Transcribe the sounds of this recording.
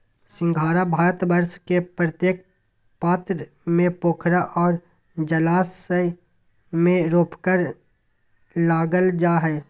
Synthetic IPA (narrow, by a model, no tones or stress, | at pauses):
sɪ̃ŋɡʱaːɾabʱaːɾət̪bəɾʃkepɾət̪jeːk̚ | paːt̪ɾ | mẽpoːkʰɾaʔɔːɾ | d͡ʒəlaːsə | mẽɾoːpkəɾ | laːɡəld͡ʒaːɦɛː